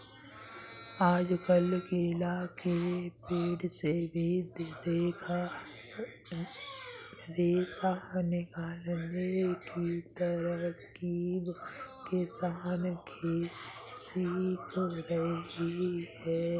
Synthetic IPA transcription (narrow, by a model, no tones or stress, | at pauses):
aːd͡ʒkəlkelaːkepeːɽsebʱid̪d̪eːkʰa | ɾeːsanekalənd͡ʒekit̪əɾə | kibkɪsaːnkʰe | siːkʰoɾɐɦihɛː